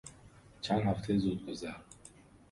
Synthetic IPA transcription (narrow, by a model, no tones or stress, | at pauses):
t͡ʃʰænd̪hæft̪ʰezud̪̚ɡozæɾ